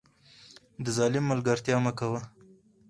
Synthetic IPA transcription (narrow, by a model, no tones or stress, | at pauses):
d̪əzɑlɪmːəlɡaɾt̪jɑmakawa